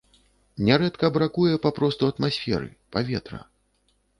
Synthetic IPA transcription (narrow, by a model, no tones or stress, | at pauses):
nʲɛɾɛt̪kɐbɾakujɛpapɾɔst̪uɐt̪masʲfʲɛ̰ɾɨ̰pavʲɛt̪ɾɐ̰